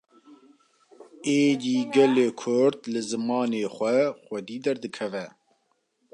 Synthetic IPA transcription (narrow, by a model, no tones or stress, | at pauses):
eːd̪iːɡɛleːkʰʊɾd̪lɨzɨmɑːneːxʷɛxʷɛd̪iːd̪ɛɾd̪ɨkʰɛvɛ